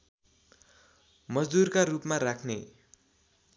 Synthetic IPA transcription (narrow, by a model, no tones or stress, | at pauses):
mʌd͡zd̪urkarupmarakʰne